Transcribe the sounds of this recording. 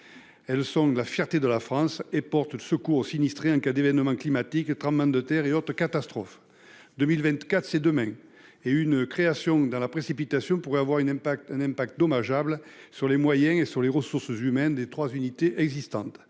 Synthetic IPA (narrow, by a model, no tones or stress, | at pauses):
ɛlsɔ̃lafjɛʁt̪ed̪əlafχɑ̃sepɔʁt̪əsəkuʁsinist̪χeɑ̃kad̪evɛnəmɑ̃klimat̪ikt̪χɑ̃mɑ̃d̪ət̪ɛʁeɔt̪χəkat̪ast̪χɔf | d̪ømilvɛ̃nt̪kat̪χsed̪əmɛ̃ | eynkχeasjɔ̃d̪ɑ̃lapχesipit̪asjɔ̃puʁɛavwaʁynɛ̃ɛ̃nɛ̃mpak̚t̪̚d̪ɔmaʒablsyʁlemwajɛ̃esyʁleʁəsuʁszymɛnd̪et̪χwazynit̪eʔɛɡzist̪ɑ̰̃t̪